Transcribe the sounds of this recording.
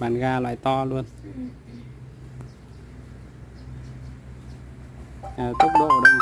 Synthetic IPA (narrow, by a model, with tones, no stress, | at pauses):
aː˨˩nɣaː˧lwa̰ː˧˨jt̪ɔ˧lu˧ən | ʔaː˨˩t̪ə˦˥k̚ɗo̰˧˨˩ɗə̰˧˨ŋ